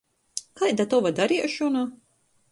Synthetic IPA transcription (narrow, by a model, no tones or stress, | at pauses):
kajd̪at̪ɔvad̪aɾiɛʃɔna